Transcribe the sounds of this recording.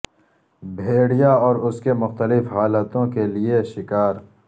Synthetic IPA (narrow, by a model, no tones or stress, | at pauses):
bʱeːɽijaɔːɾʊskemʊxt̪əlɪfɦaːlət̪õkelieʃɪkaːɾ